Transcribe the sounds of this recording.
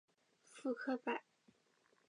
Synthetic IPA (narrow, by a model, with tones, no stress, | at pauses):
fu˥kʰɤ˥pa˨˩ɪ